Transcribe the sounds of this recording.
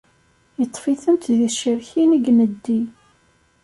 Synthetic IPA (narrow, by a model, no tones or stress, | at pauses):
jət̪ˤːfiθənt̪ðiʃəɾçiniɡnəd̪ːi